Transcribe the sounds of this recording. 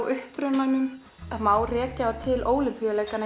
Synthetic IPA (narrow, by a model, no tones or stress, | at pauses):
wʔʏhpɾʏnanʏm | ɛmaːwrɛːcaat̪ʰɪlʔoːwlɪpʰʏlejkana